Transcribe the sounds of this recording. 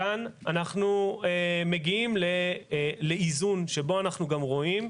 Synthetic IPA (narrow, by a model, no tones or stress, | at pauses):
ananaχnueme̞ɡiimlele̞izunʃe̞bo̞anaχnuɡamʁo̞im